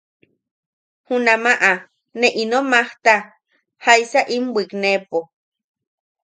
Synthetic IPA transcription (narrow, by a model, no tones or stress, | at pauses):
hunamaʔa | neʔinomaht̪a | hajsaʔimwʷiknepo